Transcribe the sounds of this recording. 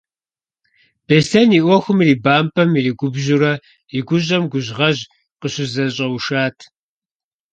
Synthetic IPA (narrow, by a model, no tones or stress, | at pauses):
b̥eɬɐniːʔʷɔxʷʊmiriːbaːmpʰʼɐmiɾiːɡʷʊbʑuɾɐ | iɡʷʊɕ̬ʼɐmɡʷʊʑʁɐʑ | qəɕʊzɐɕʼɐwʃaːtʰ